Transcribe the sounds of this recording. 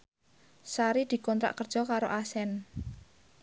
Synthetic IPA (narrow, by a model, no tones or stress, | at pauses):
saɾid̪̥i̤kɔnt̪ɾa̰ʔkərd̥ʒ̥ɔ̤kaɾoʔasɛn